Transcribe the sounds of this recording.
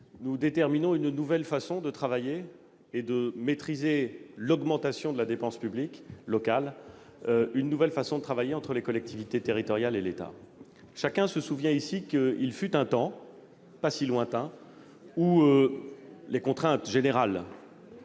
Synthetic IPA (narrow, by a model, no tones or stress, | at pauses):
nud̪et̪ɛʁminɔ̃ynnuvɛlfasɔ̃d̪ət̪χavajeː | d̪əmet̪χizelɔɡmɑ̃t̪asjɔ̃d̪əlad̪epɑ̃spybliklɔkal | ynːuvɛlfasɔ̃d̪ət̪χavajeɑ̃t̪χəlekɔlɛk̚t̪ʰivit̪et̪eʁit̪ɔʁjalelet̪a̰ | ʃakʲɛ̃səsuvjɛ̃isikəilfyt̪ɛ̃t̪ɑ̃ | pasilwɛ̃t̪ɛ̃ | uø | lekɔ̃t̪χɛ̃t̪ʒeneʁal